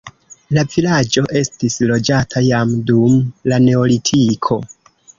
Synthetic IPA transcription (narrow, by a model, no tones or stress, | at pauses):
lavilad͡ʒo̞ʔe̞stislo̞d͡ʒatʰajamdumlane̞olitʰikʰo̞